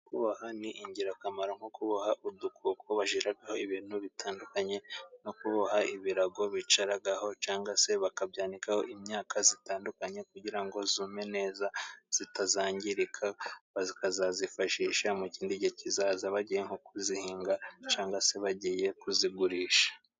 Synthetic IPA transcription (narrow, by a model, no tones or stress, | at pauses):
kuβahaniʔiɲɟiɾakamaɾoŋhokuβahaʔudukʰuːkʰoβaʒiɾaɡaho̞iβiːn̥huβitʰaːndukaɲe̞nokuβahaiβiɾaɡo̞βit͡ʃaɾaɡaho̞t͡ʃaːŋɡase̞βakabjaːndikaho̞̰ʔimɲaːkʰazitaːndukaɲe̞kuɟiɾaŋɡo̞zuːme̞ne̞ːzaz̥itazaːɲɟiɾikʰaβazikazazifaʃiːʃamuciːndiɟecizaːzaβaɟiːjeŋ̥hokuzihiːŋɡat͡ʃaːŋɡase̞βaɟije̞kuziɡuɾiːʃḁ